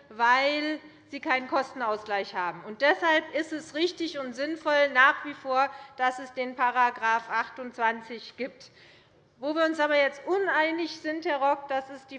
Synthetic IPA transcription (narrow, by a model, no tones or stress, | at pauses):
vaɪl | z̥iːkʰaɪnənkʰɔstn̩aʊsɡ̥laɪçhaːbm̩ʊnt̚d̥ɛshalpɪstɛsʁɪçtɪçʊntz̥ɪnfɔlnaːχv̥iːfoːɐd̥asɛsd̥eːnpʰaʁaɡʁaːfʔaχtʊnt͡sv̥ant͡sɪçɡ̥iːp̚t | voːviːɐʊnsʔaːbɐjɛt͡stʔʊnaɪnɪçz̥ɪnthɛɐʁɔkd̥asɪsd̥iː